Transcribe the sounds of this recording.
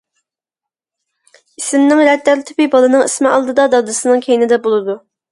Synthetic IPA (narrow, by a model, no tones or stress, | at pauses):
isɪmnɪŋɾɛd̪ːæɾt̪ʰy̥pɪbɑlˠɨnɨŋismɪɑlˠd̪ɨd̪ɑd̪ɑd̪ɨsɨnɨŋkʲʰejɪnɪd̪ɛbolˠɨd̪u